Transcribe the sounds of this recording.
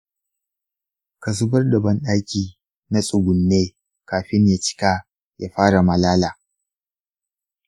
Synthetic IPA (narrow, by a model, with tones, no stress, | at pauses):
kɐ˨s̬ʊ˦bɐ˦rdɐ˨bɐ˦nɗa˦jkʲiː˨ | na˦sʼʊ˨ɡʷʊ˨nːeː˦ | kaː˨ɸɪ˦ɲja˨t͡ʃɪ̥˦kaː˦ | ja̰ː˦ɸaː˦ɽa˨mɐ˨laː˦laː˨